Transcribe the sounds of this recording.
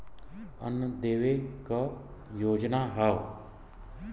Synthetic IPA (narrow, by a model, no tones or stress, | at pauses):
ə̰nd̪eːʋekəjoːd͡ʒnaɦə